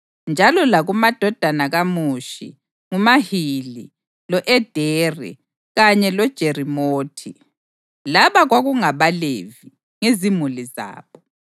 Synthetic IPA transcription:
nd͡ʒʱalɔlaɣumad̥ʱɔd̥ʱanaɣamuʃḭ | ŋumahili | lɔʔɛd̥ʱɛrḭ | ɣaɲɛlɔd̥ʒ̥ʱerimoːtʰi | laβaɣwaɣuŋaβalḛvi | ŋezimuliza̰ːβɔ

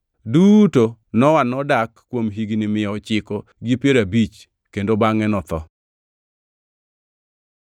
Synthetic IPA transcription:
dutonɔwanɔdakːwomɦiɡnimɪjɔɔt͡ʃɪkɔɡipjeɾabit͡ʃ | kendobaŋɛnɔt̪ɔ̰

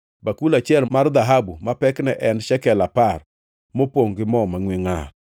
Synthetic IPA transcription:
bakulat͡ʃɪɛlmard̪aɦabumapɛknɛʔɛnʃɛkɛlapar | mopwoŋɡɪmɔmaŋwɪŋa

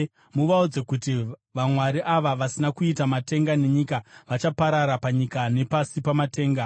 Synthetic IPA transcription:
muʋaud͡ze̞kutiʋamwaɾiʔaʋaʋasinakuitamate̞ŋɡane̞ɲikaʋat͡ʃapaɾaɾapaɲikane̞pasipamate̞ːŋɡa

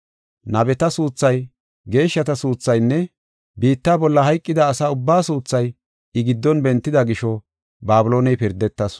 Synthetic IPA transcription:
nɐbɛt̪ɐsuːt͡sːɐj | ɡe̞ːʃːɐt̪ɐsuːt͡sːɐjnːɛ | biːt̪ːaːbɔlːɐɦɐjkʼːɪd̪ɐːsaːʊbːaːsuːt͡sːɐj | ɪɡɪd̪ːɔnbɛnt̪ːɪd̪ɐɡɪʃɔ | baːbɪlo̞ːnɛjpɪɾd̪ːɛt̪ːɐs

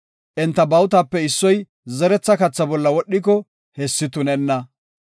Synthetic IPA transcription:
ʔɛnt̪ːɐbɐwt̪apːɛɪsːɔj | zɛɾɛt͡sːɐkɐt͡sːɐbɔlːɐwɔɗːɪk̬ɔ | hɛsːɪt̪ʊnɛnːɐ

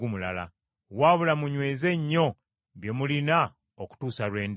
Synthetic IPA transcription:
umulala̰ | waːβulamuɲwe̞ːze̞ɲːo̞ | βje̞mulina | oku̥tuːsalwe̞ːnd

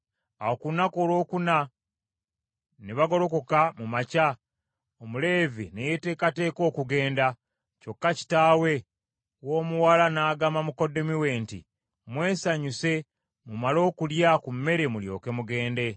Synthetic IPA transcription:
aokunako̞ːlo̞ːkuna | neβaɡo̞ɾo̞ko̞kamumaca | omule̞ːvinejete̞ːkate̞ːko̞ːkuɡe̞ːnda | co̞kːaci̥taːwe̞ | woːmuwalanaːɡamamuko̞do̞miwe̞ntḭ | mwe̞ːsaɲuse̞ | mumalo̞ːkuljakummːe̞ɾe̞muljo̞̰ːke̞muɡe̞ːnde̞

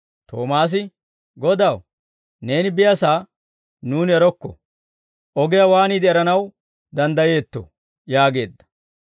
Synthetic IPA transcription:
t̪o̰ːmaːs̬ɪ | ɡɔd̪ɐw | ne̞ːnɪbɪjɐsaː | nuːnɛɾɔkːɔ̰ | ʔɔɡɪjɐwaːniːd̪ɪɛɾɐnɐw | d̪ɐnd̪ɐje̞ːt̪ːɔ̰ | jaːɡe̞̰ːd̪ːɐ̥

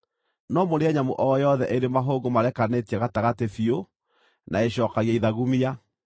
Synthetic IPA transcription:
nɔmoɾeɛɲamoʔɔjɔðɛʔeɾemaɦoːɡomaɾɛkanetiɛɣataɣatefio | nʔaeɕɔːkaɣiaiðaɣumia

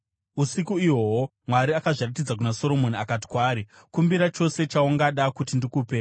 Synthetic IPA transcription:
usikuiwo̞wo | mwaɾiakaʐirat̬id͡zak̬unaso̞ɾo̞mo̞niakati̥kwaːɾi | kumbiɾat͡ʃo̞se̞t͡ʃauŋɡaɗakutindikuːpe

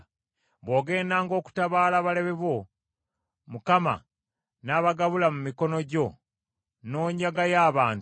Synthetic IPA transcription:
βwo̞ːɡe̞ːndaːŋɡo̞ːku̥taβaːlaβale̞βe̞βwo̞ | mukama̰ | naːβaɡaβulamumiko̞no̞ɟo̞ | no̞ːɲaɡajaːβaːn

